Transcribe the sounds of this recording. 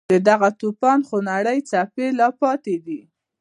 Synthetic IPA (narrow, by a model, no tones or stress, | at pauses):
d̪əd̪aɣat̪upɑnxonaɽəjt͡sapelɑpɑt̪ed̪i